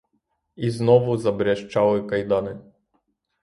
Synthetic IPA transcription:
iznɔʋʊzɐbɾʲaʃt͡ʃɑlˠɪkɐjd̪ɑnɪ

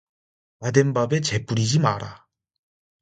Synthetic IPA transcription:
nadembabe̞t͡ɕe̞p͈uɾid͡ʑimaɾa

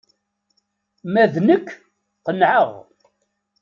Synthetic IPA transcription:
mæðnəkʰː | qənʕəʁ

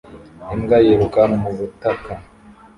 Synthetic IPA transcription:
imɡajeɾukanumuβutaka

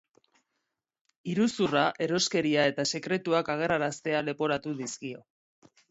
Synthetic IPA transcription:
iɾusuraʔe̞ɾo̞ske̞ɾiae̞t̪ase̞kɾe̞t̪uakaɣ̞e̞raɾast̪e̞ale̞po̞ɾat̪uðiskio̞

